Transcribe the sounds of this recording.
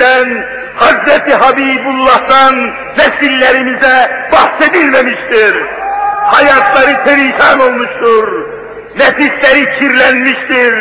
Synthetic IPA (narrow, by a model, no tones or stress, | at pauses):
æn | hɑzɾæt̪iɦɑbiːbulˠːɑht̪ɑnː | æsilːæɾimizɛb̥ɑhse̞d̪ilmæmiʃt̪iɾhɑjɑt̪ʰlˠɑɾɯt̪ʰeɾikʰɑno̞lˠmuʃt̪uɾ | næfislæɾicʰiɾlænmiʃt̪iɾ